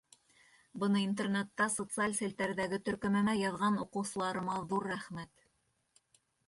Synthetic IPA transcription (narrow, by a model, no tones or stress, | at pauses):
bɤ̆nɤint̪ernet̪ːɑsot̪sɨalʲsĕlt̪æɾðæɡɘt̪ɵ̆ɾkɵ̆mæmæjɑðʁɑnuqɤ̆wsɤ̆lˠɑɾɤ̆mɑðuɾːæχmæt̪